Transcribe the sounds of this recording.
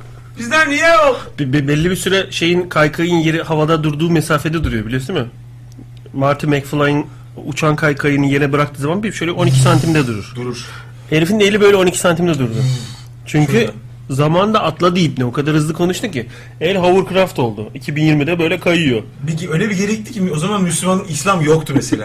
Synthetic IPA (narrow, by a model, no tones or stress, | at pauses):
bizd̪ænijɛolˠbbbɛlʲːibisyɾɛʃe̞jinkʰajkʰajɯnjeɾihavad̪ad̪uɾd̪uːmesaːfed̪ɛd̪uɾujo̞bilʲiosunmɪ | maɾt̪ʰɯmɛcflˠajɯn | ut͡ʃʰankʰajkʰajɯnɯjeɾinɛbɯɾakt̪ʰɯːzamanbiiʃøjlʲɛo̞nicʰi̥sant̪ʰimd̪ɛd̪uɾuɾ̥d̪uɾuɾ | he̞ɾfinine̞lʲibø̞jlʲɛo̞nicʰisant̪ʰimd̪ɛd̪uɾd̪ʊ | t͡ʃʰyɲcʰy | zamand̪aʔat̪lˠad̪ijip̚nɛokʰad̪aɾhɯzlˠɯkʰo̞nuʃt̪ucɪ | ɛjɾɦavuɾkɾaft̪ʰo̞lˠd̪ʊicʰibinjiɾmid̪ɛbø̞jlʲɛkʰajɯjo̞ | peciøjlʲɛbiɟe̞ɾɛit̪ʰːi̥cimo̞zamanmyslʲymanɯislʲamjok̚t̪ʰumese̞lʲa̰ː